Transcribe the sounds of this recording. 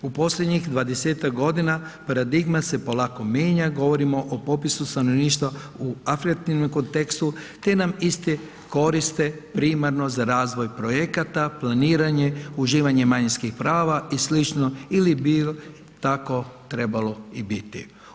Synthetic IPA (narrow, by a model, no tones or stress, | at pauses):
upo̞sʎʲed̪ɲixd̪ʋad̪eseːt̪akɡo̞d̪inapaɾad̪iɡmase̞po̞lako̞mje̞ːɲaɡo̞ʋo̞ɾimo̞ʔopopisust̪ano̞ʋniːʃt̪ʋauafɾikat̪inomko̞nt̪e̞kst̪ut̪e̞namist̪e | ko̞ɾist̪e̞pɾiːmaɾno̞zaɾaːzʋo̞jpɾo̞je̞kat̪aplaniːɾaɲe̞uʒiːʋaɲe̞maɲinskixpɾaːʋaislit͡ʃnoilibi | t̪ako̞t̪ɾe̞balo̞ibit̪ḭ